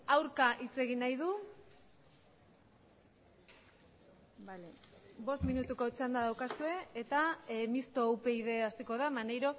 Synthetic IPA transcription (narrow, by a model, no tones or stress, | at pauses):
awɾkaʔit͡se̞ɣ̞inajðu | balebo̞st̪minut̪uko̞t͡ʃand̪aðawkasue̞et̪amist̪o̞ːwpe̞iðe̞asiko̞ðamanejɾo̞